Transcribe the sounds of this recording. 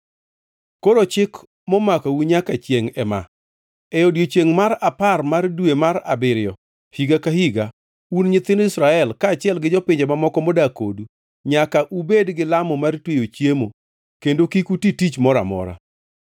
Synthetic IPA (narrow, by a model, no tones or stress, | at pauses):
koɾot͡ʃɪk | mɔmakauɲakat͡ʃjeŋɛma̰ | ɛɔdjot͡ʃjeŋmaɾaparmardwemaɾa̰bɪɾɪjɔ | hiɡakahiɡa | unɲɪt̪ɪnɪsɾaɛlkaːt͡ʃɪɛlɡɪd͡ʒɔpɪɲd͡ʒemamɔkɔmɔdako̰du | ɲakaʔubedɡɪlamɔmartwejot͡ʃjemo | kendokikutitit͡ʃmɔɾa̰mɔ̰ɾa̰